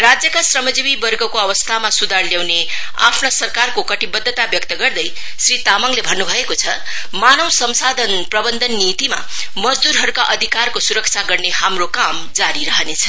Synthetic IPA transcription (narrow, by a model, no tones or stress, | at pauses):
rad͡zjʌkasrʌmʌd͡zibibʌrɡʌkoʌβʌst̪ʰamasud̪ʱarljawne | a̰pʰnosʌrkarkokʌʈibʌd̪ʱːʌt̪abjʌk̚t̪ʌɡʌrd̪ʌj | srit̪amʌŋlebʱʌnːubʱʌekot͡sʰʌ | manʌwsʌmsad̪ʱʌnprʌbʌnd̪ʱʌnːit̪ima̰ | mʌd͡zd̪uɾɦʌɾukaʔʌd̪ʱikarkosuɾʌkt͡sʰaɡʌrnehamrokamd͡zaɾiɾʌɦʌnet͡sʰʌ